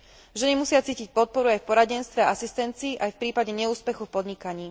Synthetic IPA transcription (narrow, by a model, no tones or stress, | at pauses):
ʒɛɲimusɪat͡siːcic̚pɔt̪̚pɔɾuajfpɔɾaɟɛnst̪ʋɛaasist̪ɛnt͡siːʔajfpɾiːpaɟɛɲɛuːspɛxufpɔd̪ɲikaɲiː